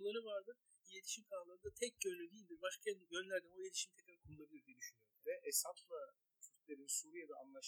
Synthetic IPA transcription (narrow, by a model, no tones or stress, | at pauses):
lˠaɾɯvaɾd̪ɯ | jet̪ʰi̥ʃimkʰalˠaɾɯnd̪at̪ʰɛc̚ɟønlʲyd̪iːlʲd̪iɾbaʃkʰɛnd̪ɟønlʲæɾd̪ɛmojet̪ʰiʃimt̪ʰɛclɛkʰoulˠaɾɯd̪ad̪eniʃynjøɾʲeɾɛʔɛsaplˠa | t̪ʰyt̪y̥pʲlʲeɾinisuɾijed̪aanlˠaʃ